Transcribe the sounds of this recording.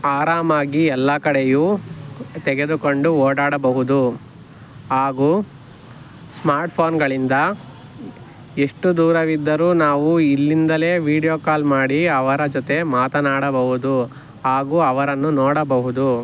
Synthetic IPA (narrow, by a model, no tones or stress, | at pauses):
aːɾaːmaːɡiɛlːɐkɐɽejuː | t̪ɛɡe̞d̪uko̞ɳɖuoːɽaːɽɐbɐɦud̪u | ɦaːɡuː | smaːɾʈpʰoːnɡɐɭind̪ɐ | e̞ʂʈud̪uːɾɐʋid̪ːɐɾuːnaːʋuilːind̪ɐle̞ːʋiːɽijoːkaːlmaːɽiɐʋɐɾɐd͡ʒɔt̪e̞maːt̪ɐnaːɽɐbɐɦud̪u | ɦaːɡuːɐʋɐɾɐnːunɔːɽɐbɐɦud̪u